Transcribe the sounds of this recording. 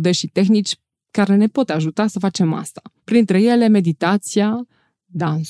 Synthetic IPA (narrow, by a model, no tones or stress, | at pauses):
d̪eʃit̪e̞xnit͡ʃʲ | kaɾe̞ne̞po̞t̪aʒut̪asəfat͡ʃe̞ma̰st̪ḁpɾint̪ɾe̞je̞le̞me̞d̪it̪at̪sia | d̪a